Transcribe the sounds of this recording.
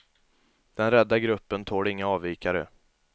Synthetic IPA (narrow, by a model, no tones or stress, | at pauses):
d̪̥ɛnɾɛd̪ːaɡɾɵpːənt̪ʰoːɖɪŋːaɑːvːiːkaɾə̰